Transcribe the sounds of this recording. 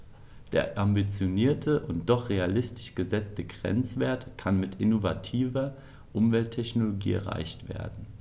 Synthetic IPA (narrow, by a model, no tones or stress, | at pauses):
d̥eːɐʔambit͡sjoniːɐtʰəʔʊnt̚d̥ɔχʁealɪstɪ̥ʃɡ̥əzɛt͡stəɡʁɛ̰nt͡sv̥eːɐtkʰanmɪtʔɪnovatʰiːvɐ | ʔʊmvɛltʰːɛçnoloɡḭːʔɛ̰ɐʁa̰ɪçtv̥ḛːɐdn̩